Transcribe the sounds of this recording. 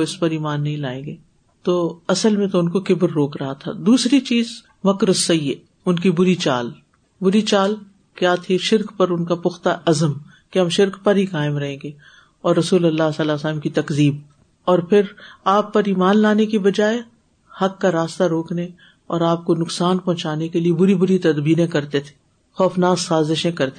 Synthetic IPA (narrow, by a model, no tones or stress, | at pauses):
oɪspɐɾiːmaːnːɐɦĩlaːẽːŋɡeː | t̪oːɐsəlmẽt̪oʊnkokɪbɾːoːkɾɐɦat̪ʰa̰d̪uːsɾit͡ʃiːz | mɐkɾʊsːɐjə | ʊnkibʊɾit͡ʃaːl | bʊɾit͡ʃaːl | kjaːt̪ʰeʃɪɾkpɐɾʊnkapʊxt̪aʔɐzəm | keɦɐmʃɪɾkpɐɾɦikaːɪmɾɐɦẽːŋɡeː | ɔːɾːɐsuːlɐlːaːsɐlasələmkit̪ɐkziːb̚ | ɔːɾpʰɪɾaːpːɐɾiːmaːnlaːnekibɐd͡ʒaːe | hɐkːaɾaːst̪aɾoːkne | ɔːɾaːp̚konʊksaːnpɔ̃ɦt͡ʃaːnekeliebʊɾibʊɾit̪ɐd̪biːɾẽkɐɾt̪et̪ʰe̥ | xɔːfnaːzːaːzɪʃẽkɐɾt̪e